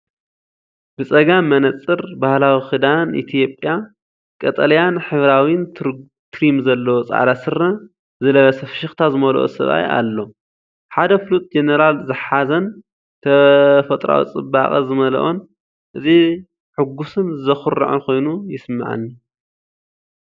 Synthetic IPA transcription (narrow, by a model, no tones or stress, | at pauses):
bɨt͡sʼɐɡamːɐnɐt͡sʼːɨɾbahlawixɨd̪anḭt̪ʰijo̞pʼja | kʼɐt̪ʼɐlɐjanħɨβɾawjnt̪ʰɾ | t̪ʰɾimzɐlːɐwot͡sʼa̰ʕlasɨrːɐ | zɨlɐβɐsɐfʃɪxt̪ʰazɨmɐlo̰ʔo̰sɐ̰βa̰ja̰lːo̞ | ħad̪ɐflut̪ʼd͡ʒenɐɾalzɨħazɐn | t̪ʰɐfɐt̪ʼɾa̰wḭt͡sʼɨba̰χʼɐzɨmɐlɐ̰ʔon | ʔɨzi | ħɨɡusɨnzɐxɨrɐ̰ʕuxʰo̞jnujɪsɨmːaʕa̰nːi